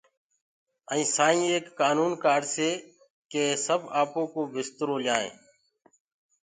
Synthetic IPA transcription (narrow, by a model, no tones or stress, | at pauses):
ə̃ĩːsaːĩːeːkːaːnuːnkaːɖseː | keːsəbaːpõːkoːbɪst̪əɾoːlɪjaːḛ̃ː